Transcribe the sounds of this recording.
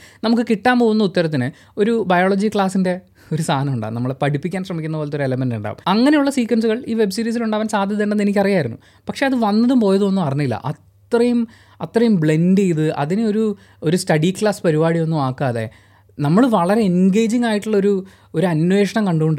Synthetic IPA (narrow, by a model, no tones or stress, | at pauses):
nɐmuk̬ːɨkiʈːaːmpoːɣunːɐut̪ːɐɾɐt̪̬ːinɨ | o̞ɾubɐjoːɭod͡ʑikɭaːsinde̞ | o̞ɾusaːɐnɐmuɳɖa̰ːnɐmːɐɭpɐɽipːikʲːaːnɕ̬rɐmikʲːunːɐpoːlet̪ːoɾuelɐmenduɳɖa̰ːʋṵmɐŋːɐnejuɭːɐsiːkwɐns̬uɣɐɭiːʋe̞bsiːɾiːs̬iluɳɖaːʋɐnsaːd̪ʱjɐðɐɳɖenːenikʲːɐrijaːjiɾunːṵ | pɐkʂe̞ːɐðɨʋɐnːɐðumpo̞ːjɐðuonːumɐrɐɲːɐilːɐ̰ʔɐt̪ːrɐjum | ɐt̪rɐjumbɭe̞ndijiðɨʔɐ̰ðinɨo̞ɾu | o̞ɾustɐɽikɭaːspɐɾibaːɽijo̞nːumaːkːaːðḛ | nɐmːɐɭʋɐɭɐɾe̞enɡe̞ːd͡ʑiŋːaːjiʈːuɭːɐo̞ɾu | o̞ɾuɐnwe̞ːʂɐɳɐmkɐɳɖuɣoɳɖɨ